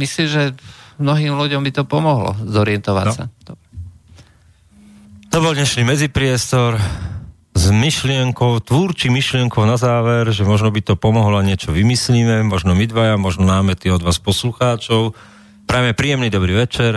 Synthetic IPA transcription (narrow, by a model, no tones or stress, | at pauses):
misliːmʒɛmnɔɦiːmluɟɔmbit̪ɔpɔmɔɦlɔ̰zɔɾɪɛnt̪ɔʋa̰sa̰d̪ɔ | t̪ɔbɔldɲɛʃniːmɛd͡zipɾɪɛst̪ɔɾ | zmiʃlɪɛŋkɔʊt̪ʋuːɾt͡ʃimiʃlɪɛŋkɔʊnazaːʋɛɾʒɛmɔʒnɔbit̪ɔpɔmɔɦlɔaɲɪɛt͡ʃɔʋimisliːmɛmɔʒnɔmid̪ʋajamɔʒnɔnaːmɛt̪iɔd̪ʋaːspɔsluxaːt͡ʃɔʊ | pɾɛmɛpɾiːjɛmnid̪ɔbɾiːʋɛt͡ʃɛɾ